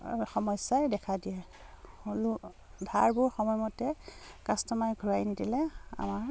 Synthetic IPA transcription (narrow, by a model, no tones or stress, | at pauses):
xɔmɔjsajdɛkʰadijɛ | olu | bʱaɹbʊɹxɔmɔjmɔtɛkastɔmajɡʱuɹajnidilɛa̰maɹ